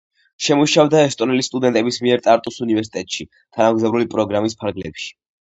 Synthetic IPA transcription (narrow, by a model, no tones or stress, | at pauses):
ʃɛmuʃavd̪aɛst̪ʼɔnɛlist̪ʼud̪ɛnt̪ʼɛbismiɛɾt̪ʼaɾt̪ʼusunivɛɾsi̥t̪ʼɛt̪ʼʃi | t̪ʰanamɡzavɾulipʼɾɔɡɾamispʰaɾɡlɛpʃi̥